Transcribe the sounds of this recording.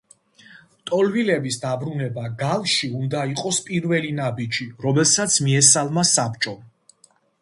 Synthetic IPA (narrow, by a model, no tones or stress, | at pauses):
t̪ʼɔlvilɛbisd̪abɾunɛbaɡalˠʃiund̪aiqʼɔspʼiɾvɛlinabid͡ʒiɾɔmɛlˠsat̪sʰmiɛsalˠmasapt͡ʃʼɔ